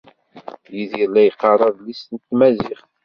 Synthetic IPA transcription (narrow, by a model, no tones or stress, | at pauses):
jiðiɾlæjqːɑrˤːɑðlisənt̪mæziχ